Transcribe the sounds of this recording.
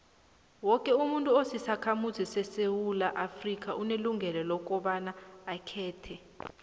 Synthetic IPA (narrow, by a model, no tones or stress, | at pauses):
wɔkʼɛumuntʼuosisakʰamuzisɛsewulaʔafrik̬ʼaʔuneluŋʱɛlɛlɔk̬ʼɔɓanaːkʰɛːtʰɛ